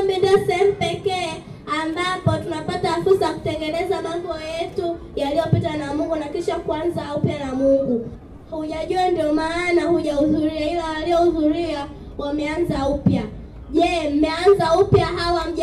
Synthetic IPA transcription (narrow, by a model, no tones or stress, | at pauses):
mbindiɔsɛhɛmupɛkɛː | ambapɔtunapatafuɾsaaku̥tɛŋɡɛnɛzamambɔjɛtu | jalijɔpitanamuŋɡunakiʃakuanzaupjanamuŋɡu | hhuʄaʄuandiɔmaːnahuʄauðuɾiahiwawaliɔhuðuɾia | wamɛanzaupja | ʄɛm̩mɛanzaupjaɦawam̩ʄ